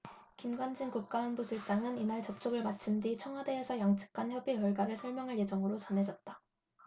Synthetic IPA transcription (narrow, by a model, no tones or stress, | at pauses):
kimɡwand͡ʑɯnkuk̚k͈aɦanbusʰuɭt͡ɕ͈aŋɯninaɭt͡ɕʌp̚t͡ɕ͈oɡɯɭmat͡ɕʰɯndit͡ɕʰʌŋɦwade̞ːsʰʌjaŋt͡ɕʰɯ̥k̚k͈ançjʌbijʌɭɡaɾɯɭsʰʌɭmjʌŋɦaɭje̞d͡ʑʌŋɯɾot͡ɕʌnɦe̞d͡ʑʌt̚t͈a